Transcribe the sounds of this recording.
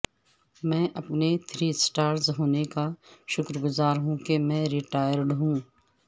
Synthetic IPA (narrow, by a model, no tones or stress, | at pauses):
mɛ̃ːʔɐpnet̪ʰɾiːsʈaːɾzɦoːnekaʃʊkɾɡʊzaːɾɦũkemɛ̃ːɾɪʈaːjəɾɖɦũː